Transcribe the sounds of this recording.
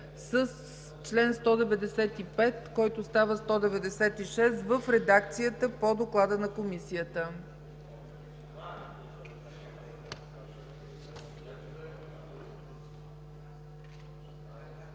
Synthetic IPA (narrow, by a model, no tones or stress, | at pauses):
səs | t͡ʃlɛnst̪ɔd̪ɛvɛd̪ɛsɛt̪ipɛt̪kɔjt̪ost̪avəst̪ɔd̪ɛvɛd̪ɛsɛt̪iʃɛst̪vəfɾɛd̪ak̚t̪sijət̪əpod̪oklˠad̪ənɐkomisijət̪ə